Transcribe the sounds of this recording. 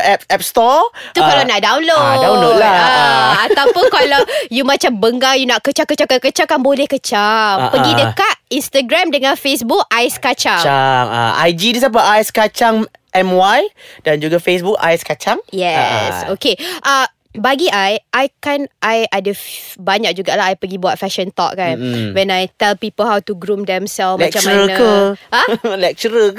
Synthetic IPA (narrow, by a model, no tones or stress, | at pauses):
ɛp̚ɛp̚st̪ɔt̪ukalawnaʔdawnlodaolaaat̪awpʊnkalajumãt͡ʃambəŋɡajunaʔkət͡ʃaŋkət͡ʃakakət͡ʃakanbolɛhkət͡ʃapəɡidəkat̪̚inst̪əɡɾamdəŋãnfesbuk̚ajskat͡ʃaŋaŋa̰a̰jd͡ʒidis̬ap̬aʔaɛskat͡ʃaŋʔɛmwajdand͡ʒuɡafes̬buka̰jskat͡ʃaŋjɛsokeʔa | baɡiʔajʔajkanʔajadəbaɲak̚d͡ʒuɡalaajpəɡibuat̪̚fɛʃə̃nt̪ɔ̰k̚kanwɛnajt̪ɛlpipəlhawtuɡɾumdɛmsɛlfmãk̚t͡ʃamaənəãlɛk̚t͡ʃəɾə